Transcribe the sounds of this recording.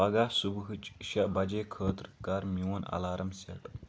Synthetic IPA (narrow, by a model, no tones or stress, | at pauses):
ɐɡaːsubɦɨt͡ʃʃɐbɐd͡ʒeːkʰəːt̪ɾkaːɾmiwɐnɐ̰laːɾʔɐmsɐʈ